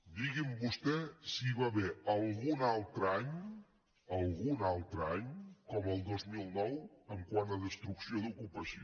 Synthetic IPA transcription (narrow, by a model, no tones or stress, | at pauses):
d̪iɣimbust̪ɛsiβaβɛəlˠɣunalˠt̪ɾəaɲ | əlˠɣunalˠt̪ɾəaɲkɔməlˠd̪ozmilˠnɔwəŋkwanəðəst̪ɾuksioðukupəsio